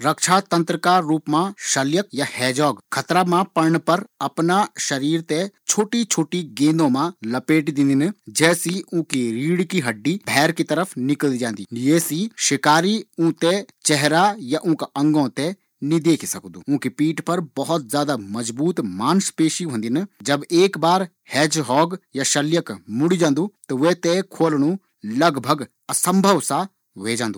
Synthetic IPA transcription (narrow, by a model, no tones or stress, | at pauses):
ɾɐkʃʰat̪ɐ̃nt̪ɾəkaːuːpmãʃɐljək̚jahɛːd͡ʒɔːɡkʰɐt̪ɾamãpɐɾɳpɐɾɐpnaʃɐɾiːɾt̪et͡ʃʰoːʈit͡ʃʰoːʈiɡẽːnd̪õmãlɐpeːʈd̪ɪ̃nd̪ind͡ʒɛːsiũkiɾiːɽkiɦɐɖːibʱɛːɾkit̪ɐɾəfʰnɪkəlid͡ʒãːnd̪iːjeːsiʃɪkaːɾiũːt̪et͡ʃɛɦɾajaʔũːkaʔɐ̃ŋɡõt̪e | nid̪eːkʰsɐkd̪uːũːkipiːʈpɐɾbɐɦɔt̪̚zjaːd̪amɐd͡ʒbuːt̪maːnspeːʃiɦõnd̪ind͡ʒɐbeːkbaːɾ | hɛːd͡ʒɦɔːɡjaʃɐljəkmʊɽid͡ʒãːnd̪uːt̪oʋet̪ekʰoːlɽ̃ũ | lɐɡbʱɐɡ | ɐsə̃mbʱəʋsa | ʋeːd͡ʒãːnd̪uː